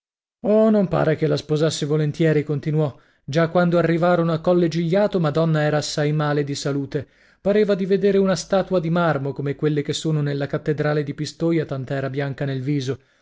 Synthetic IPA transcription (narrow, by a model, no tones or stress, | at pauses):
ɔnompa̰ːɾek̟elːaspozasːevolent̪jɛːɾikont̪inwɔ | d͡ʒakːwand̪oarːivaːɾonoakːɔlːed͡ʒiʎːaːt̪omad̪ɔnːaɛːɾaːsːajmaːled̪isaluːt̪e | paɾeːvad̪ived̪eːɾeunast̪aːt̪wad̪imarmokomekwelːek̟esːoːnonelːakat̪ːed̪ɾaːled̪ipist̪oːjat̪ant̪aɛːɾabjaŋkanelviːzo